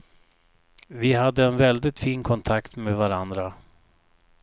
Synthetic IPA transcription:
vɪɦad̪ːəɛnvɛld̪ɪt̪fiːnkʰɔnt̪ʰakt̪meːvaɾand̪ɾa

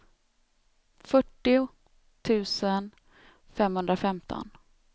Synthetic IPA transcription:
fœʈːɪʊ | t̪ʰʉ̟ːsən | fɛmhɵnd̪ɾafɛmt̪ʰɔ̰n

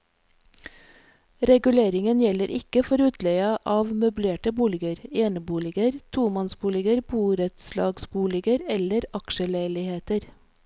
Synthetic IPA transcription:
ɾɛɡʉleːɾɪŋənjɛləɾʔɪkəfɔɾʉːt̪ʰleɪɑʔɑːʋmʉbleːʈəbuːlɪɡəɾeːnəbuːlɪɡəɾt̪ʰuːmɑnsbuːlɪɡəɾbuːɾɛt̪slɑ̰ːɡsbuːlɪɡəɾɛləɾɑkʃəlæɪlɪheːt̪əɾ

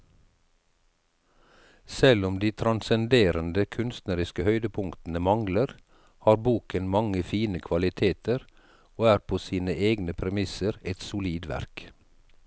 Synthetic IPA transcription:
sɛlʊmd̪iːt̪ʰɾɑnsɛnd̪eːɾənd̪əkʰʉnst̪nəɾɪskəhœʏd̪əpʰʊŋkt̪n̩əmɑŋləɾ | hɑːɾbuːkənmɑŋəfiːnəkʰʋɑlɪt̪ʰeːt̪əɾ | oːæːɾpʰoːsiːnəʔeːɡnəpʰɾɛmɪsəɾɛt̪sʊliːd̪ʋæ̰ɾk

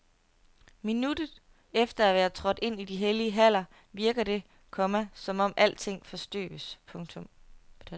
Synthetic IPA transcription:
minud̥ð̩ˠ | efd̥ɐæʋæːɐt͡sʰʁɒ̽d̥e̝n̰id̥iɦeliəɦæl̰ɐ | ʋiɐɡ̥ɐd̥e̝ | kʰɒ̽mæsɒ̽mɒ̽mʔæl̰t͡sʰe̝ŋ̰fɒ̽sd̥ø̰ːəspʰɔ̽ŋt͡sʰɔ̽m

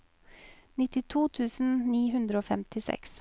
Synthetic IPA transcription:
nɪt̪ɪt̪ʰuːt̪ʰʉːsn̩niːɦʉnd̪ɾəoːfɛmt̪ʰɪsɛ̰ks

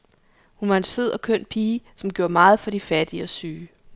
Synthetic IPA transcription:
hunʋɑ̈e̝nseð̰ˠɒ̽kʰøn̰pʰiːsɒ̽mɡjo̝ːɐmɑ̈ːð̞̩ˠfɒ̽d̥ifæd̥iɒ̽syː

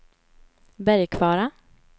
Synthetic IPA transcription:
bæɾjkʰvɑːɾa

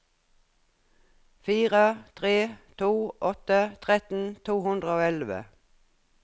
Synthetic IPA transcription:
fiːʁət̪ʰʁeːt̪ʰuːʔɔt̪ət̪ʰʁɛt̪n̩t̪ʰuːhʉnd̪ʁəoːɛlʋə̰

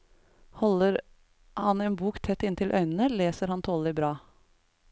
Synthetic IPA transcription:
hɔləɾ | hɑneːnbuːkt̪ʰɛt̪ːɪnt̪ɪlʔœ̰ʏnən̩əleːsəɾhɑnt̪ʰoːlɪbɾɑː

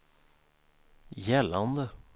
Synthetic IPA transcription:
jɛlːand̪ə

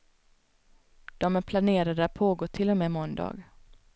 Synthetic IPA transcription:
d̪̥ɔmæɾpʰlaneːɾad̪əat̪̚pʰoːɡoːt̪ʰɪlːɔmeːmɔnd̪ɑ̰ːɡ

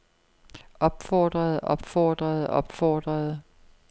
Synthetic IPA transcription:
ʔɒ̽b̥fɒːd̥ʁɐð̩ˠʔɒ̽b̥fɒ̰ːd̥ʁɐð̩ˠɒb̥fɒːd̥ʁɐð̩ˠ

